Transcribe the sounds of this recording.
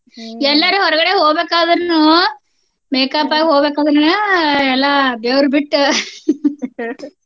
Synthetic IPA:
ɛlːaːɾɯɦɔɾɐɣɐɽeɦoːbeːkːaːðɐɾnu | meːkːaːpːaːɣɦoːbeːkːaːðɐɾnɯɛlːaːbeːɾbɪʈː

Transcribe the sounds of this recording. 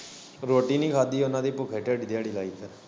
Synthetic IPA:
ɾoːʈiːnĩːkʰaːd̪iːʊnãːd̪iːpʊkʰeːʈɛɖd̪ejaːɽiːlaːiːt̪ə

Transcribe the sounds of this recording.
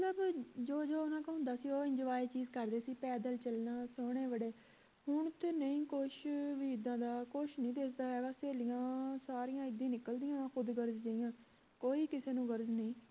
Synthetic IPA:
mət̪ləbd͡ʒoːd͡ʒoːʊnãːkːɦʊ̃ːnd̪aːsiːoːɪ̃ɲd͡ʒɪʋaːeːt͡ʃiːzkəɾd̪eːsiːpɛːd̪əlt͡ʃəlnaːsoːɽ̃eːʋəɽeː | ɦʊɳt̪enəĩːkoʃʋiːd̪ãːd̪aːkoʃnəĩːd̪esd̪aːɦɛːʋaːseːlɪjãːsaːɾijãːɪd̪ːĩːnɪkəld̪ɪjãːxʊd̪ɡəɾzd͡ʒəɪjãː | koːiːkɪseːnũːɡəɾznəĩː

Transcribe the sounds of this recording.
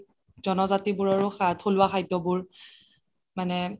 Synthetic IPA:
zɔnɔzatibʊɹaɹʊxatʰolʊwaxajtːɔbʊɹ | manɛ

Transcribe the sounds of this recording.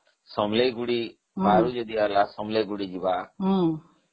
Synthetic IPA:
sɔmlejɡuɽi | baɾud͡ʒɔd̪ialasɔmlejɡuɽid͡ʒiba

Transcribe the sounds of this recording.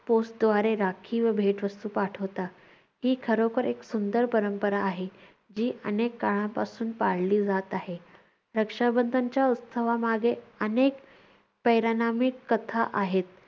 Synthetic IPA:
posʈ̚d̪ʋaɾeɾakʰiːʋəbʱeʈʋəst̪uːpaʈʰəʋt̪a | kiːkʰəɾokəɾeksund̪əɾpəɾəmpəɾaːɦe | d͡ʑiːʔənekːaɭãpasuːnpaɽ̤liːd͡zat̪aɦe | ɾəkʂabənd̪ʱaɲt͡ɕjaut̪t̪ʰəʋamaɡʱeənek | pəjɾanamikːət̪ʰaʔaɦet̪̚

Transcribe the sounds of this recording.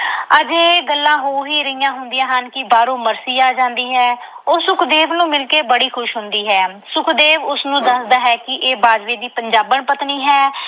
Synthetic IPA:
əd͡ʒeːɡəlːãːɦoːɦiːɾəɪjãːɦʊnd̪ijãːɦənkɪbaːɾoːməɾsiːaːd͡ʒãːnd̪iːɦɛː | oːsʊkd̪eːʋnũːmɪlkeːbəɽiːkʰʊʃɦʊnd̪iːɦɛː | sʊkd̪eːʋʊsnũːd̪əsd̪aːɦɛːkɪʔeːbaːd͡ʒʋeːd̪iːpəɲd͡ʒaːbəɳpət̪niːɦɛː

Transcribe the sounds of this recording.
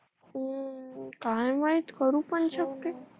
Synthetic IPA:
kãjmait̪kəɾũpəɳʃək̚t̪e

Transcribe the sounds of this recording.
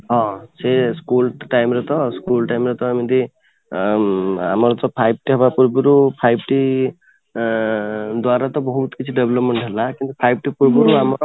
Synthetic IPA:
ɦɔ̃seskulʈajmɾet̪ɔskulʈajmɾet̪ɔjmid̪i | a̰mɔɾɔt̪ɔpʰajb̚ʈiɦɔbapuɾbɔɾupʰajb̚ʈi | d̪waɾat̪ɔbɔɦut̪kit͡ʃʰiɖeblɔpmeɳʈɦelakint̪upʰajb̚ʈipuɾbɔɾuamɔɾ

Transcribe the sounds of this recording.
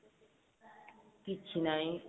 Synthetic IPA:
kit͡ʃʰinaĩ

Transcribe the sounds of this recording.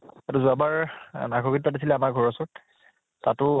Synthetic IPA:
atuzuabaɹnaɡʱɔɡit̚patisilɛamaɹɡʱɔɹɔsɔɹ | tatʊ

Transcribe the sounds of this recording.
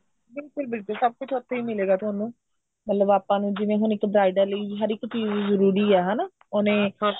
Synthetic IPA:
bɪlkʊɪlbɪlkʊlsəb̚kʊt͡ʃʰɔt̪ʰːeimɪleːɡaːt̪ʰaːnũː | mət̪ləbaːpãːnũːd͡ʒɪʋẽːɦʊnɪkbɾaːɪɖəɾləiɦəɾɪktiːzzəɾuːɾiːɛːɦana | ʊnẽː

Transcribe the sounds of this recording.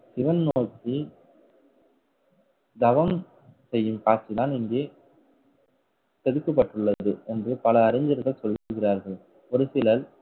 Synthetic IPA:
sɪʋɐnnoːt̪ːi | d̪ɐʋɐm | sɛjːɯmpaːsɪðaːnɪŋɡeː | sɛðɯkːɐp̬ːɐʈːɯɭːɐðɯɛndrɯpɐlɐːɾɐɲd͡ʒɐɾɣɐɭsɔlːikɣɪraːɾɣɐɭ | ɔɾɯsɪlɐl

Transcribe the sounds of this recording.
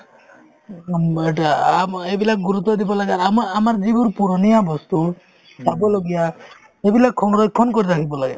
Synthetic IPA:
eʈaamebilakɡuɾut̪ːɔd̪ibɔlaɡeaɾamamaɾd͡ʒibuɾpuɾɔnijabɔst̪u | sabɔloɡija | ebilakʰːɔnɾɔikʰːɔnkɔɾiɾakʰibɔlaɡɛ̰

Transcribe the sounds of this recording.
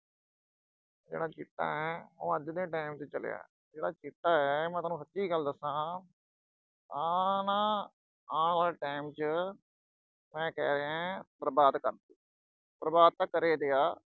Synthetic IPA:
d͡ʒḛːɽaːt͡ʃɪt̪ːa̰ːɛːõ̰ːəd͡ʒd̪ẽːʈaːɪmt͡ʃət͡ʃəlḛja̰ː | d͡ʒeːɽaːt͡ʃɪt̪ːaːɛːmɛ̃ːt̪aːnũːsət̪ːiːɡəld̪əsãː | aːnãː | aːaːlʈaːɪmt͡ʃə | mɛ̃ːkɛːɾeãːpɾəbaːd̪kəɾd̪iː | pɾəbaːd̪̚t̪ãːkəɾeːd̪ejaː

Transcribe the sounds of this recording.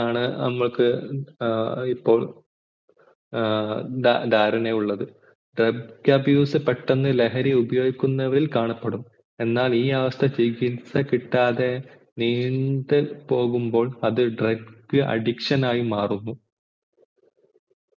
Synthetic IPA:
aːɳɨnɐ̰mːɐɭkɨ | ipːo̞ːɭ | ɖ̪aːɾɐneuɭːɐðɨ | ɖrɐb̚kɐbjuːsɨpːeʈːenːɨle̞ɦɐɾiubɐjo̞ːɡikʲːunːɐʋɐɾilkaːɳɐpːeɽum | e̞nːaːliːɐʋɐst̪ʰɐt͡ɕiɡinsɐkiʈːaːðe̞ | niːɳɖ̪ɨpo̞ːɣumbo̞ːɭɐðɨɖrɐb̚kɨʔɐ̰ɖikʂɐnaːjimaːrunːu

